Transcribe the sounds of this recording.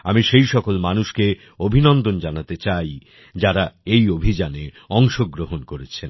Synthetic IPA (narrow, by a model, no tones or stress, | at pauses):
amiʃejʃɔkolmanuʃke | obʱinɔnd̪ond͡ʑanat̪et͡ɕaj | d͡ʑaɾaejobʱid͡ʑane | ɔŋʃoɡɾoɦonkoɾet͡ɕʰen